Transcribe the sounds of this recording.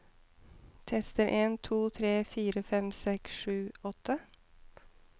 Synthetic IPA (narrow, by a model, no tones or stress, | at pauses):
t̪ʰɛst̪əɾʔeːnt̪ʰuːt̪ʰɾeːfiːɾəfɛmsɛksʂʉːɔt̪ʰə